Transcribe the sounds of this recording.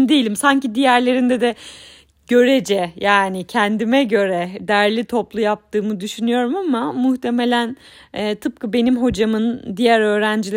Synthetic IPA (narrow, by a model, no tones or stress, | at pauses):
d̪ejilʲimsaɲcid̪ijæɾlʲe̞ɾind̪ɛd̪ɛ | ɟ̥ø̞ɾed͡ʒɛjaːnicʰɛnd̪imɛɟø̞ɾɛd̪æɾlʲit̪ʰo̞plˠujap̚t̪ʰɯːmɯd̪yʃynyjo̞ɾumamamuht̪ʰe̞me̞lʲæn | ɛːt̪ʰɯp̚kʰɯbe̞nimɦo̞d͡ʒamɯnd̪ijæɾø̞ːɾænd͡ʒilʲ